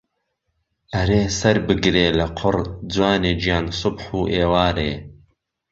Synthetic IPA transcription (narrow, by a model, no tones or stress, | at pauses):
ʔɐɾeːsɐɾbɨɡɾeːlɐqʰʊɾd͡zwaːneːd͡ʒjaːnsʊbħuːʔeːwaːɾeː